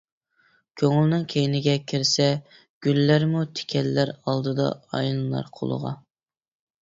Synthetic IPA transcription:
kʲʰøŋylnɪŋkʲʰejɪnɪɡʲɛkʲʰiɾsɛ | ɡ̥ʲylːæɾmut̪ʰɪ̥kʲʰɛlːæɾɑlˠd̪ɨd̪ɑ̰ɑ̰jlˠɨlˠɑ̰ɾqʰo̰lˠə̰ʁɑ̰

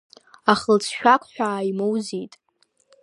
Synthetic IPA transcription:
aχəlt͡sʰʃᶣakʷʰʼħʷᶣaːjmowzitʼ

